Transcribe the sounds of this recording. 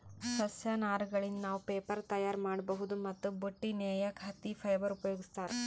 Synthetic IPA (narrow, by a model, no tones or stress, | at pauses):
sɐsjɐnaːɾɡɐɭind̪naːʋupeːpɐɾt̪ɐjaːɾmaːɽbɐɦud̪umɐt̪ːuboʈːineːjɐkʰɐt̪ːipʰɐjbɐɾupɐjoːɡist̪aːɾḛ